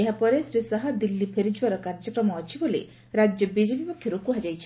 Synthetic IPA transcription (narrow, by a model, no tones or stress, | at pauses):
eɦapɔɾesɾisaɦad̪ilːipʰeɾid͡ʒbaɾɔkaɾd͡ʒɔkɾɔmɔːt͡ʃʰibolḛ | ɾad͡ʒjɔbid͡ʒepipokʰjɔɾokuɦad͡ʒajt͡ʃʰi